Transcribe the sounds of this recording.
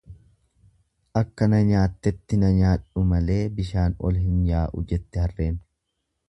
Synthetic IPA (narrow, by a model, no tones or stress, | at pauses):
ʔɐkːɐnɐɲaːt̪ːɛt̪ːɪnɐɲaːᶑʊmɐle̞ːbɪʃaːnɔ̰lhɪnjaːʔʊ̰d͡ʒɛt̪ːɪhɐrːe̞ːn